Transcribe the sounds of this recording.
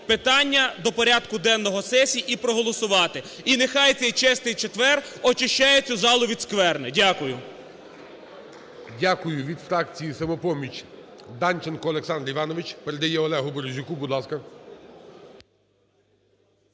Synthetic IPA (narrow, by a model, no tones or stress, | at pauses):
pɪt̪ɑnʲːɐd̪ɔpɔɾʲad̪kʊd̪ɛnːɔɦɔsɛsʲiʔipɾɔɦɔlˠɔsʊʋɑt̪ɪ | inexɑjt̪sʲɛjt͡ʃɛst̪ɪjt͡ʃet̪ʋɛrɔt͡ʃɪʃt͡ʃajet͡sʲʊzɑlˠʊʋʲid̪skʋɛrnɛdʲakʊjʊ | dʲakʊjʊʋʲid̪fɾɑkt͡sʲijisɐmɔpɔmʲit͡ʃ | d̪ɑnʲt͡ʃenkɔɔlˠeksɑnd̪ɾʲiʋɑnɔʋɪt͡ʃpɛɾed̪ɐjɛɔlˠɛɦʊbɔɾzʲʊkubud̪lˠɑskɐ